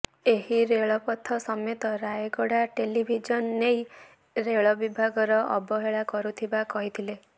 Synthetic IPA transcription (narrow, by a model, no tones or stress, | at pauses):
eɦiɾeɭɔpɔt̪ʰɔsɔmet̪ɔɾajeɡɔɽaʈelibʱid͡ʒɔnːej | ɾeɭɔbibʱaɡɔɾɔɔbɔɦeɭakɔɾut̪ʰibakɔɦit̪ʰile